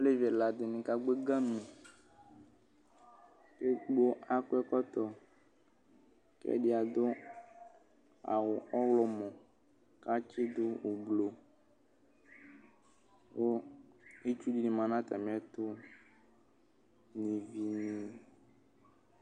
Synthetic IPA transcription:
o˦le˦vi˨ɛ˨la˨d̪e˨mĩ˨ka˦ɡ͡be˦ɡã˦mĩ˨ | ke˦ɡ͡bo˦a˦ko˦ɛ˦kɔ˦t̪ɔ˨ | kɛ̰˦ɖi˦a˨d̪ʊ˦ | a̰˨wʊ˨ɔ˦wlɔ˦mɔ̃˨ | ka˦t͡ʃɪ˦d̪ʊ˦wo˨blo˨ | wo˦ | e˦t͡ʃu˦di˦nĩ˨mã˨nã˦t̪a̰˨mĩ˨a˦t̪ʊ˦ | nĩ˨vi˨nĩ˨

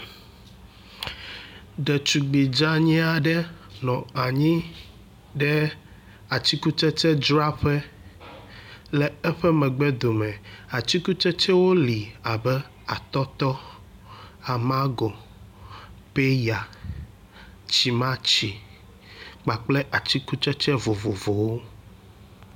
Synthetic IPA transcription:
ɖɛ˨t͡ʃu˨ɡ͡bi˨d͡ʒa˦ɲĩ˦a˨ɖɛ˦ | nɔ̃˨a˨ɲĩ˦ | ɖɛ˦ | a˨t͡ɕi˦ku˦t͡ʃɛ˦t͡ʃɛ˦d͡ʒɾa˦ɸɛ˦ | lɛ˨ɛ˦ɸɛ˦mɛ̃˨ɡ͡bɛ˦d̪o˨mɛ̃˨a˨t͡ɕi˦ku˦t͡ʃɛ˦t͡ʃɛ˦wo˦li˨a˨bɛ˦ | a˨t̪ɔ˦t̪ɔ˦ | a˨mã˦ɡɔ˨ | pe˦ja˨ | t͡ɕi˨mã˦t͡ɕi˨ | k͡pa˨k͡plɛ˦ʔa˨t͡ɕi˦ku˦t͡ʃɛ˦t͡ʃɛ˦vo˨vo˨vo˨wo˦

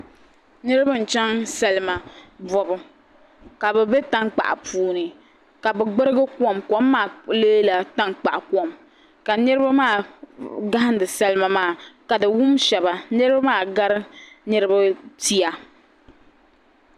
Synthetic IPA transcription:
nɨ˦ɾɨ˦bɨ˦n̩˨t͡ʃɛ˦ŋsɛ˨lɨ˨ma˨bɔ˨bɨ˨ | ka˨bɛ˨be˦ta˦ŋk͡pa̰˨ʔa̰˨pʰuː˦nɨ˨ | ka˨bɛ˨ɡ͡bɨ˦ɾɨ˦ɡɨ˦ku˦ɔ˦˨mkɔ˨˦mː˦aː˨leː˦la˨ta˦ŋk͡pa˨ʔa˨ku˦ɔ˦˨m | ka˨nɛ˦ɾɨ˦ba˦maː˦˨ɡa˦hɪ˦n˦dɨ˨sɛ˦lɨ˦ma˨maː˨˦˨ka˨dɨ˨wʊ˦mʃɛ˨ba˨nɨ˦ɾɨ˦ba˦maː˦˨ɡa˦ɾɨ˦nɨ˦ɾɨ˦ba˦ti˦a˨

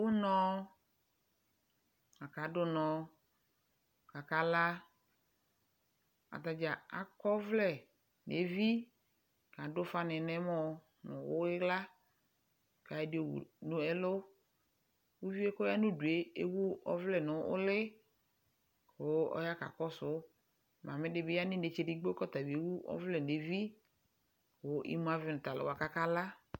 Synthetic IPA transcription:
wʊ˦nɔ̃˦ | a˨ka˨˦dʊ˦nɔ̃˨ | ka˨ka˦la˦ | a̰˨t̪a˨d͡ʒa˨a̰˨kɔ˦vlɛ˨ | nḛ˨˦vi˦˨ | ka˨dʊ˦fa˦nɪ˨nɛ˦mɔ˦ | nʊ̰̃˨wʊ˦ɪ˦la˦˨ | ka˨ɛ˨˦dɪ˨o˨wṵ˨nʊ̃˦ɛ˦lʊ˦ | wu˦vi˦e˦kɔ˦ja˦nʊ̃˦du˨e˨e˦wu˦ɔ˦vlɛ˦nʊ̃˨˦ʊ̰˦lɪ˦ | xo˨˦ɔ̰˦ja˦ka̰˨kɔ˦sʊ˦ | mã˨mɪ˦dɪ˨˦bɪ˦ja˦nɪ̃˦ne˨t͡ʃe˨dɪ˦ɡ͡bo˦kɔ˦t̪a˨vi˨e˨˦wu˦ɔ̰˦vlɛ˨ne˨vi˦ | ko˨˦ʔḭ˦mũ˦a˦vɪ˨nʊ˨t̪a˨lɪ̰˨wa˨ka˦ka˦la˦

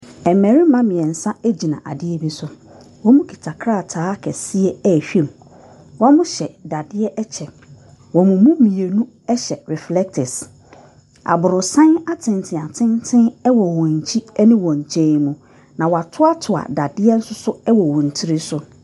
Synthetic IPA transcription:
ɛ˨mɛ˨ɾi˦mã˦mɪ̃˨ɛ˨n̩˨sã˦æ˦d͡ʑi˨nã˨ʔa̰˨dɪ˦ɛ˦bi˦sʊ˨ | wɔ˦mũ˦kʰi̥˨tʰa˨kʰɾa˦˨tʰaː˦kʰɛ˨si˦ɛ˦ɛ˦˨ɕᶣĩ˦˨m | wa˦mʊ̃˦ɕɛ˨da˨dɪ˦ɛ˦ʔɛ˦t͡ɕʰɛ˨ | wɔ˨mʊ̃˨mũ˦mĩ˨e˨nũ˦ | ɛ˦ɕɛ˨ɾɛ˨flɛ˦k̚tʰɪ˨s | a̰˨bʊ˨ɾʊ˨sã˦na˦tʰɪ̃˨ntʰɪ̃˨a˨tʰɪ̃˦ntʰɪ̃˦nɛ˦wɔ˨wɔ̃˨ɲ˨t͡ɕʰi˦ɛ˦nɪ̃˦wɔ̃˨ɲ̩˨t͡ɕʰẽ˨˦˨mũ˨ | nã˨wɔ˨a˨tʰʊ˦a˦tʰʊ˨a̰˨da˨dɪ˦ɛ˦n̩˦sʊ˦sʊ˦ɛ˦wɔ˨wɔ̃˨n̩˨tʰi˦ɾɪ˦sʊ˨

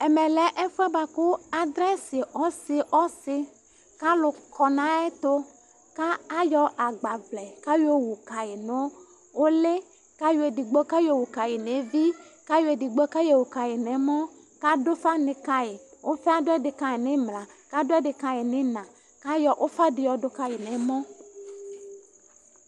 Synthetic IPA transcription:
ɛ˨mɛ̃˨lɛ˨˦ʔɛ˦fʊ˦ɛ˦ba˨kʊ˦a˨d̪ɾɛ˦sɪ˨ɔ˦sɪ˨ʔɔ˦sɪ˦ | ka˦lʊ˨kʰɔ˨nã˦ɛ˦t̪ʊ˦ | ka˦a˦jɔ˦ʔa˨ɡ͡ba˨vlɛ˨ka˦je˦wu˨ka˨jɪ˨nʊ̃˦ | wo˦le˦ | ka˦jo˨e˨di˨ɡ͡bo˦ka˦jo˦wu˨ka˨jɪ˨ne˨vi˦ka˦jo˦e˨di˨ɡ͡bo˦ka˦je˨wu˨ka˨jɪ˨nɛ̃˨˦mɔ̃˦ | ka˦dʊ˦fa˦nɪ̃˨ka˦jɪ˨wo˦fe˦a˦dʊ˦ɛ˦dɪ˨ka˨jɪ˨nɪ̃˦mla˨ka˦dʊ˦ɛ˦ɖɪ˨ka˨jɪ˨nɪ̃˦nã˨ | ka˦jɔ˨ʔo˦fa˦dɪ˨jɔ˨dʊ˦ka˦ji˨nɛ̃˨˦mɔ̃˦

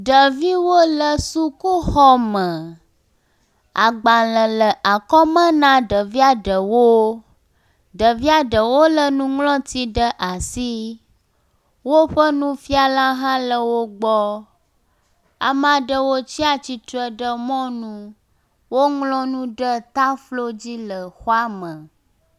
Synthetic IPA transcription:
ɖə˨vi˦wo˦lə˨su˦ku˦xɔ˦mə̃˨ | a˨ɡ͡bã˨lə̃˨lə˨ʔa˨kɔ˦mə̃˦nã˦ɖə˨vi˦a˨ɖə˨wo˦ | ɖə˨vi˦a˦ɖə˨wo˦lə˦nũ˦ŋlɔ̃˦t̪i˦ɖə˦ʔa˨si˦ | wo˦ɸə˦nũ˦fi˦a˨la˦ɦã˦lə˨wo˦ɡ͡bɔ˦ | a̰˨mã˨ɖə˨wo˦t͡ɕi˦a˦t͡ɕi˨t̪o˦ɛ˨ɖə˦mɔ̃˦nũ˦ | wo˦ŋlɔ̃˦nũ˦ɖə˦t̪a˦flo˦d͡ʑi˦lə˨xwa˦mə̃˨

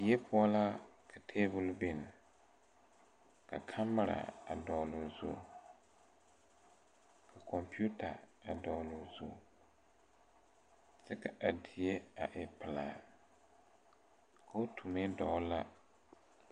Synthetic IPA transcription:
je˦pʰʊ˦ɔ˦la˦kʰa˨tʰeː˦bʊ˦lbe˦nɪ˨ | ka˨kʰa˦mːa˦ɾa̰˨a˨dɔː˨lʊ˨zṵ˦ | kʰa˨kɔ˨mpi˦u˦ta˨a˨dɔː˨lʊ˨zṵ˦ | sɛ˦ka˨a˨di˨je˦a˨ʔɪ˨pɪ˨laː˨ | kʰa˨o˦tʰu˨me˦dɔ˨˦la˦

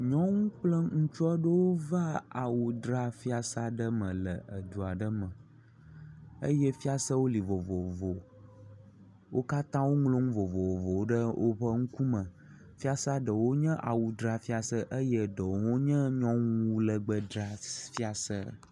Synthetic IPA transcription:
ɲɔ̃˦ŋũ˦k͡plə˦ŋũ˦t͡ʃɔ˦ɖə˦wo˦va˦a˨wu˨d̪ɾa˦fi˦a˨sa˨ɖə˦mə̃˨lə˨ʔə˨d̪u˨a˨ɖə˦mə̃˨ | ə˦jɛ˦fi˦a˨sə˦wo˦li˨vo˨vo˨vo˨ | wʔo˦ka˦t̪ã˦wo˦ŋlõ˦ŋũ˦vo˨vo˨vo˨˦ɖə˦wʔo˦ɸə˦ŋ̩˦ku˦mə̃˨ | fi˦a˦sa˦ɖə˨wo˦ɲə̃˦ʔa˨wu˨d̪ɾa˨fi˦a˨sə˦ʔə˦jə˦ɖə˨wo˨wo˦ɲə̃˦ɲɔ̃˦ŋũ˦lə˨ɡ͡bə˦d̪ɾa˨fi˦a˨sə˦

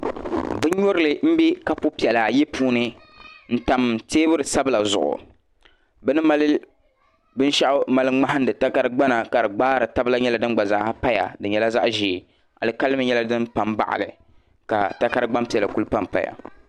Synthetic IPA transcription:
bɨ˦ɲɔ˦ɾɨ˦lɨ˨m̩˦bi˦ka˦po˦pi˨ɛ˨la˨jɛ˦puː˦nɨ˦ | n̩˦ta˨m˨teː˦bɨ˦ɾɨ˨sa˦bɨ˦la˨zʊ̰˨ʔʊ̰˨ | bɛ˦nɨ˦ma˦l | bɨ˦n˦ʃa˦ʔʊ˦ma˨lɨ˦ŋ͡ma˦hɨ˦ndɨ˨ta˦ka˦ɾɨ˦ɡ͡ba˦na˨ka˨ɾɨ˨ɡ͡baː˦ɾɨ˨ta˦bɨ˦la˦ɲɛ˦la˨dɨ˦n˦ɡ͡ba˨za˨ʔha˦pa˦ja̰˨dɨ˨ɲɛ˨la˦za̰˦ʔʒiː˨ | a̰˨lɨ˨ka˦lɨ˦mɨ˨˦ɲɛ˦la˦dɨ˦npa˨mba̰˨ʔa̰˨lɨ˨ | ka̰˨ta˦ka˦ɾɨ˦ɡ͡ba˦mpi˨ɛ˨la˨ku˦lɨ˦pa˦mpa̰˦ja̰˨

